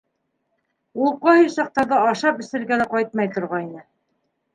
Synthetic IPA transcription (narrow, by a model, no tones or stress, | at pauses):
ul̚ˠqɑhisɑq̚t̪ɑɾðɑɑʃɑpɵ̆sɘ̆ɾɡælæqɑjt̪̚mɑjt̪ŏɾʁɑinɘ